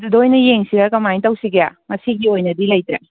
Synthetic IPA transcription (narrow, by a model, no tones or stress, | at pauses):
dudojnɐjeŋsiɡaɾkɐmajtɐwsiɡeja̰mɐsiɡiojnɐdilɐjt̪ɾe